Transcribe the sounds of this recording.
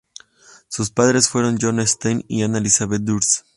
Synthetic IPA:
suspaðɾe̞sfwe̞ɾo̞nd͡ʒonest̪ejnḭanalisaβet̪d̪uɾs

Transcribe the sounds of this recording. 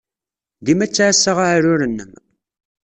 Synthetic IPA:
ðimæt͡sːaʕasːaʁaʕɾʊɾənːəm

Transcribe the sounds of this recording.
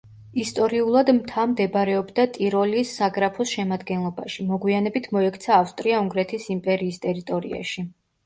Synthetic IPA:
ist̪ʼɔɾiulˠad̪mt̪ʰamd̪ɛbɾɛɔbd̪at̪ʼiɾɔliːsːaɡɾapʰɔsʃɛmad̪ɡɛnlˠɔba̰ʃimɔɡwianɛbit̪ʰmɔɛkʰt̪sʰaːfst̪ʼɾiauŋɡɾɛt̪ʰisimpʼɛɾiːst̪ʼɛɾit̪ʼɔɾḭa̰ʃi

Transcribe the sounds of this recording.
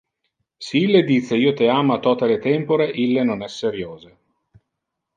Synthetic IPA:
seilːed̪it̪sːeiːot̪eaːmat̪ɔt̪elet̪ɛmpoɾeʔilːenonɛsːeɾjoːze

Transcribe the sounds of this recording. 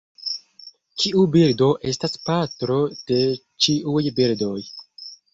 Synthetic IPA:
t͡ʃiubiɾdo̞ʔe̞staspatɾo̞d̥e̞ | t͡ʃiʔujbiɾdo̞j

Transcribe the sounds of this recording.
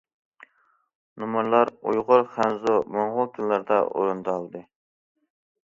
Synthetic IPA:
numuɾlˠɑɾujʁʊɾχænzumoɴʁʊkʲʰilːɑɾd̪ɑ̰ʔo̰ɾɨnd̪ɑlˠd̪ɨ

